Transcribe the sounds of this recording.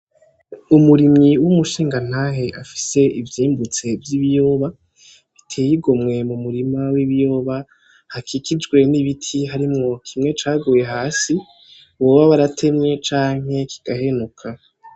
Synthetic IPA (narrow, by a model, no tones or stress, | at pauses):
umuɾimiwumuʃiːŋɡan̥aɦeʔafi̥se̞ʔivjiːmbut͡se̞vjiβijo̞ːβa | βitʰe̞ːjiɡo̞mŋe̞mumuɾimawiβijo̞ːβa | hakʰikʰid͡ʒɡwe̞niβitʰiɦaɾimŋo̞kʰimŋe̞t͡ʃaːɡuːje̞ɦaːsi | βo̞ːβaβaɾatʰe̞mɲe̞t͡ʃaːŋ̥e̞kʰi̥ɡ̥aɦe̞nukʰa